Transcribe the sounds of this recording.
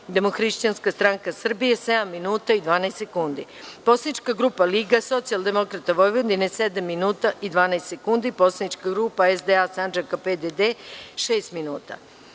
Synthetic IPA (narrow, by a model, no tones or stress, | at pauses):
d̪e̞moxɾiʃt͡ɕanskast̪ɾaŋkasr̩bijesed̪amːinuːt̪aid̪ʋaːnast̪sekund̪i | po̞slanit͡ʃkaɡɾuːpaliɡaso̞t̪sijalˠd̪e̞mo̞kɾat̪aʋo̞jʋod̪inesed̪amːinuːt̪aʔid̪ʋaːnaest̪sekund̪ipo̞slanit͡ʃkaɡɾuːpaezd̪easand͡ʒakaped̪ed̪eʃeːst̪minuːt̪a̰